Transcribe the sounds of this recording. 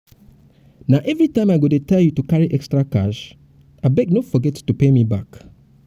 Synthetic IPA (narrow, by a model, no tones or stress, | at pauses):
naʊʔɛvɹitãɪ̃maɪɡonotʰɛljutukaɹiʔɛkstɹakaʃ | aɪbɛɡ̚nofɔɡɛtːupemibak